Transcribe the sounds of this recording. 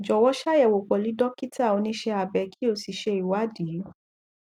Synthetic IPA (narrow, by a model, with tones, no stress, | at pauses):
d͡ʒɔ˨wɔ˦ʃa˦jɛ˦˨wo˨k͡pɔ˨li˨˦dɔ˦ki˦ta˦˨o˨˧nĩ˦ʃe˧a˨bɛ˨˧kʰi˦o˧si˨ʃe˧i˨wa˨˦di˨˦u˦